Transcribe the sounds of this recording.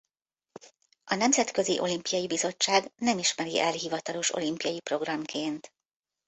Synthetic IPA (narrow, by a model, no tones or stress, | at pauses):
ɒnɛmzɛt̪kø̞ziʔo̞limpijɒjibizo̞t͡ʃːaːɡnɛmiʃmɛɾḭʔɛlɦivɒt̪ɒlo̞ʃo̞̰limpijɒjipro̞ɡrɒmkʰeːnt̪